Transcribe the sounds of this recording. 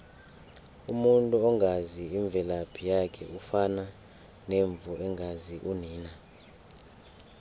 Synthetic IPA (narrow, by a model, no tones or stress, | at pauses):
umuntʼuɔŋɡʱaziiɱb̪vʱɛlapʰijakʰɛ̰ufana | neɱb̪vuɛŋɡʱaziʔuniːna